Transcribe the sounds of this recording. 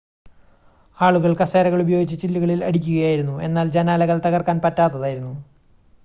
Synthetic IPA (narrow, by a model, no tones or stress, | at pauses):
aːɭuɣɐɭkɐseːɾɐɣɐɭubɐjo̞ːɡit͡ɕːɨt͡ɕilːuɣɐɭilɐ̰ɽikʲːuɣɐjaːjiɾunːuʔe̞̰nːaːld͡ʑɐnaːlɐɣɐɭt̪ɐɣɐrkaːnpɐtːaːt̪ːɐðaːjiɾunːu